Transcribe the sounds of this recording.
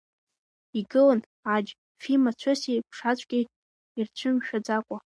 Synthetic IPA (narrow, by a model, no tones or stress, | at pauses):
iɡɨlən | ad͡ʒ | filmat͡ɕʷʰosekʷʰʂat͡ɕʷʼɡʲi | irt͡ɕʷʰɨmʃᶣad͡zakʷʼa